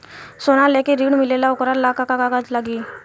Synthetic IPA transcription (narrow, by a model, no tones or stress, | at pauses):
sonalɛkiɾiɽmilelaukɾaɾlakakakaɡatlaɡiː